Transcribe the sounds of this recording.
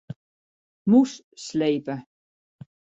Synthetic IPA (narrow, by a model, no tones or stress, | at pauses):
mus | slejpə